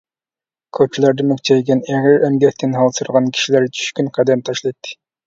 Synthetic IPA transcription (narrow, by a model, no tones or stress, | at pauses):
kʰøt͡ʃʰilˠɑɾd̪ɨmyk̚ʲt͡ʃʰɛjɡʲɛnɛʁɪɾɛmɡʲɛk̚ʲt̪ʰɪnɦɑlˠsuɾʁɑnkʲʰi̥ʃilæɾt͡ʃʰy̥ʃkʲynqʰæd̪ɛmt̪ʰɑʃlˠɑjt̪ʰːɨ̥